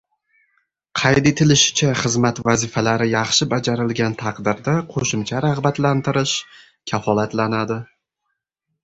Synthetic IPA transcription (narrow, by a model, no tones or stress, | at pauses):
qʰɑjd̪et̪ʰɪlɪʃɪ̥t͡ʃʰaχɨzmat̪vazɪfalaɾɪjɑχʃɪbad͡ʒaɾɪlɡʲant̪ʰɑqd̪ɪɾd̪aqʰoʃɪmt͡ʃʰaɾɑʁbat̪lant̪ɪɾɪʃ | kʲʰafɒlat̪lanad̪ɪ